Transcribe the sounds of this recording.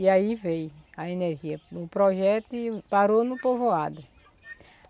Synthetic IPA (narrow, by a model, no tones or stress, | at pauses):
iaivejaeneɾʒiɐʊpɾɔʒɛt̪ʊɪpaɾonʊpovoad̪ʊ